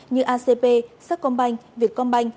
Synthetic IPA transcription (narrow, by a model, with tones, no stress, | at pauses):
ɲɨ˧ʔaː˧se˧pe˧saː˦˥k̚kɔ˧nɓa˧jŋ̟vi˨˩ət̚kɔ˧nɓa˧jŋ̟